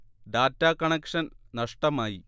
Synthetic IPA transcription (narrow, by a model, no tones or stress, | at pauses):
ɖaːtːaːkɐɳɐkʂɐnnɐʂʈɐmaːji